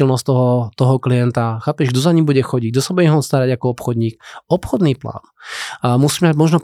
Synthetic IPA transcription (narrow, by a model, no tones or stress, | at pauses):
ɛlnɔst̪ɔɦɔt̪ɔɦɔkliɛnt̪axaːpɛʒɡd̪ɔzaɲimbuɟɛxɔɟiɟ̚d̪ɔsabuɟɛɦɔst̪aɾaɟakɔɔpxɔd̪ɲiːk̚ɔpxɔd̪niːpla̰ːnmusiːmɛmaɟmɔʒnɔ